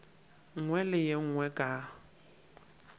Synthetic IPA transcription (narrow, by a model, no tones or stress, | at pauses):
ŋ̩ŋwɛlɪjeŋ̩ŋwɛkʼa